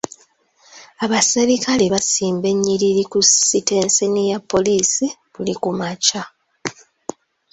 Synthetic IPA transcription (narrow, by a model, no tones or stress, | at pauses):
aβaseɾikʰaleβasiːmbe̞ɲːiɾiɾikusite̞ːnsenijapːo̞liːsiβulikumaca